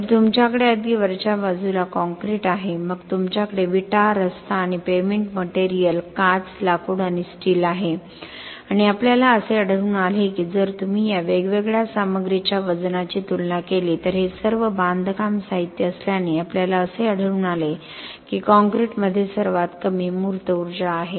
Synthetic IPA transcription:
məɾt̪umt͡ɕjakəɽeəd̪iːʋəɾt͡ɕabad͡zulakɔ̃ŋkɾiʈaɦeməɡt̪umt͡ɕjakəɽeʋiʈaɾəst̪aːɽ̃ipemeɳʈməʈeɾijəlkat͡slakuːɽaɽ̃isʈiːlaɦe | aɽ̃iapljalaəseəɽ̤əɭuːnalekiːd͡zəɾt̪um̤iːjaʋeɡʋeɡɭjasaməɡɾit͡ɕjaʋəd͡znat͡ɕiːt̪ulnakeliːt̪əɾɦesəɾʋəbãnd̪ʱkamsaɦit̪jəəsljaneapljalaəseəɽ̤əɭuːnale | kiːkɔ̃ŋkɾiʈməd̪ʱːjesəɾʋat̪kəmiːmuɾt̪əuɾd͡ʑaːɦe

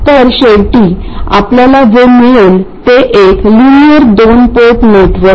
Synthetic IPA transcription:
t̪əɾɕeʋʈiː | a̰pljalad͡zomiɭult̪eʔeklinijəɾd̪onpoʈneʈʰʋəɾ

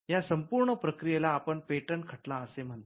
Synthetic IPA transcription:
jasəmpuɾɳəpɾəkɾijelaːpəɳpeʈəɳkʰəʈlaəsem̤əɳt̪

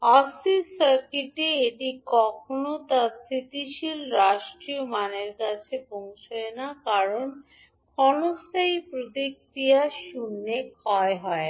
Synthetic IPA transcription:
ɔsisaɾkiʈeeʈikɔkʰonot̪asɾit̪iʃilɾaʃʈɾiomaneɾkat͡ɕʰebɔŋʃoenakaɾon | kʰɔnost̪ʰaipɾot̪ikɾijaʃunːekʰɔeɦɔe

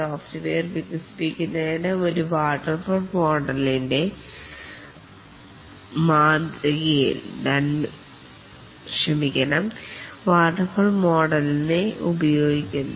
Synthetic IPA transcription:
saːftiʋeːrʋikɐsi̥pikʲːunːɐnɐoɾuʋaːʈːɐrfoːɭmoːɖɐlinde̞ | maːd̪ɐɣijḭlnɐn | ɕrɐmikʲːɐnɐmʋaːʈːɐrfoːɭmo̞ːɖɐlneṵbɐjoːɡikʲːunː

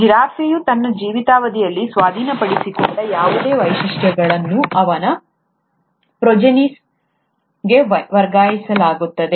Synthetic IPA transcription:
ɡɾaːfʰejut̪ɐnːɐd͡ʒiːʋit̪aːʋɐd̪ijɐlːisʋaːd̪ʱiːnɐpɐɽisikɔɳɖɐjaːʋud̪e̞ːʋɐjʃiʂʈjɐɡɐɭɐnːuɐʋɐnɐ | pɾod͡ʒɐnis | ɡe̞ʋɐɾɡaːjisɐlaːɡut̪ːɐd̪e̞

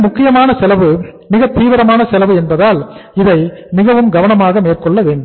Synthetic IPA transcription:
mʊkːɪjɐmaːnɐsɛlɐʋɯ | mɪɣɐt̪iːʋɐɾɐmaːnɐsɛlɐʋɯɛnbɐðaːlɪðɐɪmɪɣɐʋɯmɡɐʋɐnɐmaːɣɐmeːrkɔɭːɐʋeːɳɖɯm

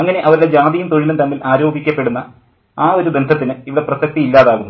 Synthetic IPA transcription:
ɐŋːɐne̞ʔɐʋɐɾuɽe̞d͡ʑaːðijumt̪o̞ɻilumt̪ɐnːilʔaːɾo̞ːɡikʲːɐpːe̞ɽunːɐ | aːo̞ɾubend̪ʱɐt̪ːinɨiʋiɽe̞prɐsɐk̚t̪iilːaːðaːɣunː

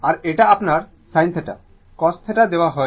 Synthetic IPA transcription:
aɾeʈaapnaɾ | sajnt̪ʰeʈa̰ | kɔst̪ʰeʈad̪ewaɦɔ

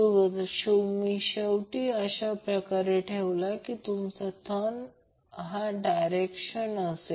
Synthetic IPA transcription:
uɡəd̪ɕumiɕəwʈiːəɕapɾəkaɾeʈʰeʋlakit̪umt͡sat̪ʰən | ɦaɖajɾekɕənəse

